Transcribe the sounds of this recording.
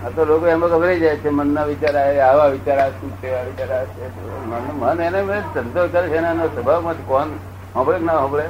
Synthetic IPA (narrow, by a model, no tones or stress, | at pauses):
ət̪olokoɛmãkəbɾid͡ʒajt͡ʃʰemənːaʋit͡ʃaɾaeaʋãʋɪt͡ʃaɾaʃũt͡ʃʰeʋaʋit͡ʃaɾaʃʰe | mənmənenemesənd̪okəɾet͡ʃʰenenosəbʱaʋmãt̪ʰkɔn | ɦɔ̃bɭeknaɦɔ̃bɭe